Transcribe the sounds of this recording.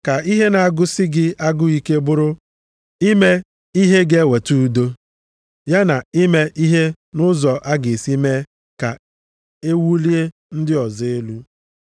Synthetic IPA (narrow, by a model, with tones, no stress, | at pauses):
ka˨i˦ɦe˦na˨a˨ɡʊ˦sɪ˦ɡɪ˦ʔa˦ɡʊ˦i˦ke˦bʊ˦ɾʊ˦ | i˦me˦ | i˦ɦe˦ɡe˦we˨tu˦do˦ | ja˦na˨i˦me˦ʔi˦ɦe˦ | nʊ˦zɔ˨ʔa˦ɡɪ˨si˦me˦ | ka̰˨ | e˦wu˦li˦e˦ | n̩˦dɪ˦ɔ˨ze˦lu˦